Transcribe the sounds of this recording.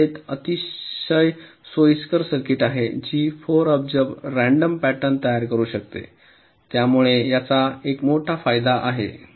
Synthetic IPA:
et̪ət̪iɕəjsojskəɾsəɾkiʈaɦed͡ʑiːfoɾəb̚d͡ʑəbɾæɳɖəmpæʈəɳt̪əjaɾkəɾuːɕək̚t̪ḛ | t̪jamuɭejat͡saekmoʈʰafajd̪aʔaɦḛ

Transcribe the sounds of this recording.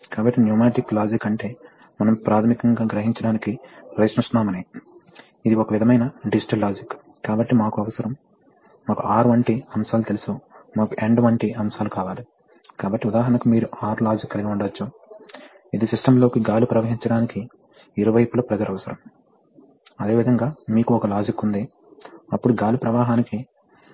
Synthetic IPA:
kaːbɐʈːinjuːmaːʈikːlaːd͡ʒikːɐɳʈe̞ː | mɐnɐmpɾaːt̪ʰɐmikɐŋɡaːɡɾɐɦiɲt͡ʃɐɽaːnikiɾɐjsnusnaːmɐniː | id̪iɔkɐʋid̪ʱɐmɐjnɐɖid͡ʒiʈɐlːaːd͡ʒikː | kːaːbɐʈːimaːkuɐʋɐsɐɾɐmː | aːkuaːɾʋɐɳʈiɐmsaːlut̪elisumaːkuʔe̞ɳɖʋɐɳʈiʔɐmsaːlukaːʋaːli | kaːbɐʈːiud̪aːɦɐɳɐkumiːɾuaːɾlaːd͡ʒikːɐliɡiuɳɖɐɐt͡ʃːu | id̪isiʂʈɐmlo̞ːkiɡaːlupɾɐʋɐɦiɲt͡ʃɐɽaːnikiː | ɾuʋɐjpulɐpɾɐd͡ʒɐlɐʋɐsɐɾɐm | ɐd̪e̞ːʋid̪ʱɐŋɡaːmiːkuɔkɐlaːd͡ʒikːund̪eː | ɐpːuɽuɡaːlupɾɐʋaːɦaːniki

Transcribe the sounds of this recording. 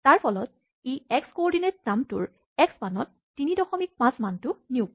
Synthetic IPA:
taɹpʰɔlɔt̚ | eɛkskoɔɹdinet̚namtʊ̰ɹ | ɛksmanɔtːinidɔxɔmik̚pãsmantʊniʊk

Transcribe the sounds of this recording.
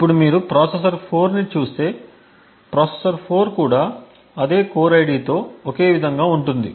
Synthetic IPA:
ipːuɽumiːɾupɾaːses̬ɐɾpʰo̞ːɾnit͡ʃuːst̪e̞ː | pɾaːsesɐɾpʰo̞ːɾkuːɽaː | ɐd̪e̞ːkoːɾɐjɽiːt̪o̞ːoke̞ːʋid̪ʱɐŋɡaːuɳʈund̪ḭ

